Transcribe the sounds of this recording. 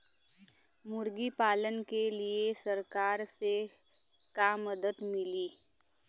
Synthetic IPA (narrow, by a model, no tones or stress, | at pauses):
mʊɾɡipaːlənkeliesɐɾkaːɾse | kamːəd̪əd̪mɪliː